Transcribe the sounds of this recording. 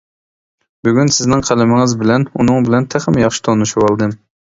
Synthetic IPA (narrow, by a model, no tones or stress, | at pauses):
byɡʲynsɪznɪŋqʰælɪmɪŋɪzbɪlɛnunɨŋbɪlɛnt̪ʰæχɪmjɑχʃi̥t̪ʰonuʃuwɑlˠd̪ɨm